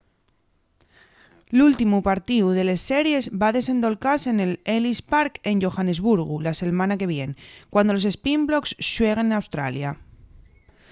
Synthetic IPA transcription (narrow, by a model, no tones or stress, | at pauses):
lult̪imupaɾt̪iuðe̞le̞sːe̞ɾje̞zbaðe̞se̞nd̪o̞lkase̞ne̞lelispaɾke̞nʝo̞xane̞zβuɾɣ̞ulase̞lmãnake̞β̞je̞nkwand̪o̞lo̞se̞spimblo̞ksʃwe̞ɣ̞enawst̪ɾa̰lja